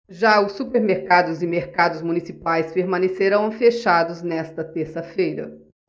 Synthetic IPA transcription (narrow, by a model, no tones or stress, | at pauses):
ʒaʊsːupeɾmeɾkad̪ʊzɪmeɾkad̪ʊzmũnisipajspeɾmɐ̃neseɾɐ̃w̃feʃad̪ʊznɛst̪ɐt̪eɾsɐfejɾɐ̰